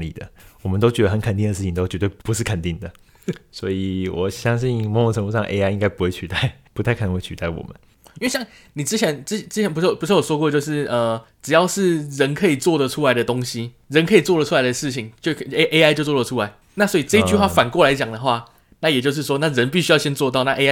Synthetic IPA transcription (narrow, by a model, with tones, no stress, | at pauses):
lḭ˨˩d̪ə̰˩wɔ˨˩mə˨˦nt̪o˥ʊt͡ɕɥɛ˧d̪ə˧xə˧˦nkʰə˨˩nt̪i˥˩nd̪ə˩ʂɻ̩ʰ˥˩i˨ŋt̪o˥ʊt͡ɕɥɛ˧˥t̪we˥˩ɪpu˧˦ʂɻ̩˥˩kʰə˨˩nt̪i˥˩ŋd̪ə˩ | swɔ̰˧˥i˨˩wɔ˨˩ɕjɑ˥ŋɕi˥˩nmɔ˧˥ŋjo˧ŋʈ͡ʂʰə˧˥ŋu˥˩ʂɑ˥˧ŋʔe˥ɪa˥ɪi˥ŋka˥ɪpu˧˥xwe˥˩ɪt͡ɕʰy˨˧t̪a˥˩ɪpu˧t̪ʰa˥˩ɪkə˨˩nə˧˥ŋwe˧˥ɪt͡ɕʰy˧t̪a˥˩ɪwɔ̰˨˩mə̰˦n | i˥we˥˩ɕjɑ˥˩ŋ | ni˨˩ʈ͡ʂɻ̩˥t͡ɕʰjɛ˧˦n̩˥˨˩ʈ͡ʂɻ̩˥t͡ɕʰjɛ˧˦np̬ʂ̩˥˩˨pu˧˥ʂwɔ˨˩ʂwɔ˥kwɔ˥˧t͡ɕjo˥˧ʊʂɻ̩˥˩ə˧˩ʈ͡ʂɻ̩˨˩jɑ˥˧ʊʂɻ̩˥˩ɻə˧˦˥nkʰɤ˧˥i˨˩t͡swɔ˥˩d̪ə˨ʈ͡ʂʰu˥la˧˦ɪd̪ə˨t̪o˥ŋɕi˦ | ɻə˧˥nkʰɤ˧˥i˨˩t͡swɔ˥˩lə˩u˥a˧˥ɪd̪ə˨˩ʂɻ̩˥˩t͡ɕʰi˨˩˦ŋt͡ɕjo˥˧ʊkʰʔe˥a˥ɪt͡ɕjo˥˧ʊt͡swɔ˥˩ə˨˩ʈ͡ʂʰu˦la˧˦ɪ | na˥˨˩swɔ˧˥i˨˩ʈ͡ʂɤ˥˧i˥t͡ɕy˥˧xwa˥˩fa˨˩nkwɔ˥˩la˧˥ɪt͡ɕjɑ˨˩ŋd̪ə˩xwa˥˩ | na˥˩jt͡ɕjo˥˧ʊʂ̬ɻ̩˥˩ʂwɔ˥na˥˩ɻə˧˦npi˥˩ɕy˥jɑ˥˩ʊɕjɛ˥nt͡swɔ˥˧t̪ɑ˥˧ʊ˦na˥˧ʔe˥